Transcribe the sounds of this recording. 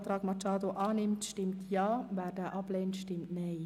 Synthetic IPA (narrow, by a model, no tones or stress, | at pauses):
t̪rɑːkmɑt͡ʃɑːt̪oʔɑːnɪmtʃtɪmt̪ʰjɑːʋɛrdɛʔɑpleːntʃtɪmtnej